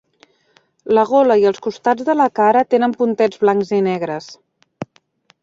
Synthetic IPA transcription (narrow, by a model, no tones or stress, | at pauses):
ləɣoləiəlˠskust̪ad͡zðələkaɾət̪enəmpunt̪ɛd͡zβlaŋkzinɛɣ̞ɾəs